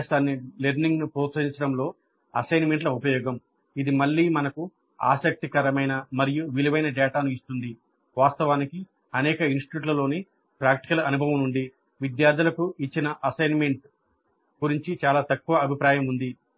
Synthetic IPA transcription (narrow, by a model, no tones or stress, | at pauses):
saːnːileɾniŋɡnupuːsɐɾiɲt͡ʃɐɽɐmlo̞ː | ɐsɐjnme̞ɳʈlɐupɐjɔːɡɐm | id̪imɐɭːiːmɐnɐku | a̰ːsɐk̚t̪ikɐɾɐmɐjnɐmɐɾijuʋiliʋɐjnɐɖɛːʈaːnuist̪und̪i | ʋaːst̪ɐʋaːniki | ɐnɛːkɐinsʈi̥uːʈ̬lɐlo̞ːni | pɾaːkʈi̥kɐlɐnubʱɐʋɐmnuɳɖi | ʋid̪jaːɾd̪ʱulɐkuit͡ʃːinɐʔɐsɐjnme̞ɳʈ | ɡuɾiɲt͡ʃit͡ʃaːlaːt̪ɐkːuʋɐɐbʱipɾaːjɐmund̪i